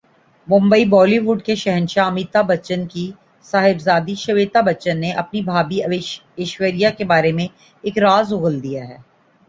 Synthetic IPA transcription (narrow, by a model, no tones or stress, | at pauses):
mʊ̃mbəibɔːliʋʊɖkeʃɛɦənʃaɐmiːt̪abɐt͡ʃənki | saːɦɪbzaːd̪iʃɐʋeːt̪abɐt͡ʃənːeʔɐpnibʱaːbi | ɪʃwəɾijakebaːɾemẽ | ɪːkɾaːzʊɣəld̪ijaɦɛː